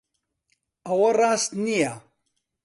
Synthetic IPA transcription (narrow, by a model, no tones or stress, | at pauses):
ɐwɐrˤaːst̪nija